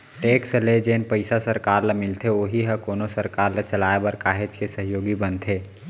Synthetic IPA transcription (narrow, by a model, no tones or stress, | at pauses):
ʈeːksəled͡ʒeːnpəɪsasəɾkaːɾlamɪlt̪ʰeoːɦiɦɛkoːnosəɾkaːɾlet͡ʃəlaːebəɾkaːɦed͡ʒkesəɦjoːɡibənt̪ʰeː